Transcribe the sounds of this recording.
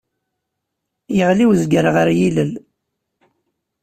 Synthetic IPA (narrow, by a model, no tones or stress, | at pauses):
jəʁliwzɡəɾʁəɾjiləl